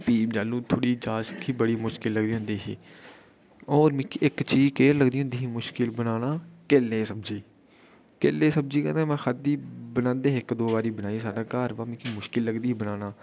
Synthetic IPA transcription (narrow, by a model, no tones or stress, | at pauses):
piːd͡ʒaːlũːt̪ʰoːɽiːd͡ʒaːskʰiːbəɽiːmʊʃkɪlːəɡ̚d̪iːɦʊ̃nd̪iːɦḭː | ɔːɾmĩːkʰiɪkt͡ʃiːd͡ʒkeːɾləɡd̪iːɦʊ̃nd̪iːɦiːmʊʃkɪlbənaːnaːkeːlẽːsəbd͡ʒiː | keːlːẽːsəb̚d͡ʒiːkənd̪ẽːmɛ̃ːxəd̪iːbənãːnd̪eːɪkd̪oːbaːɾiːbənaːiːsaːɖaːkaːɾʋaːmĩːkʰiːmʊʃkɪlːəɡd̪iːbənaːnaː